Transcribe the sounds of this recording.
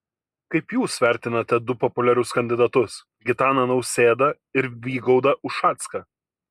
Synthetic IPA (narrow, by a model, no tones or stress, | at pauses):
kɐɪpjuːsʋʲæɾʲt̪ʲɪnɐt̪ʲɛd̪ʊpɔpʊlʲɛɾʲʊskɐnʲd̪ʲɪd̪ɐt̪ʊs | ɡʲɪt̪ɑːnɐnɒʊsʲeːd̪ɐ | ɪɾʋʲiːɡɒʊd̪ɐʔʊʃʃɑːt̪skɐ